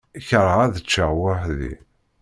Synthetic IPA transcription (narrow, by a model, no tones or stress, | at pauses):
çəɾˤʁaðət͡ʃːəwaħðḭ